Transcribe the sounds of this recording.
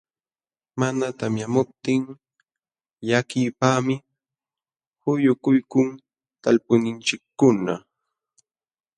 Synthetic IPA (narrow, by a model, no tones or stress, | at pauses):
manat̪amjamʊp̚t̪ɪŋ | jakɪːpaːmɪ | hʊjʊkʊjkʊŋ | t̪alpʊnɪnt͡ʃɪkːʊna̰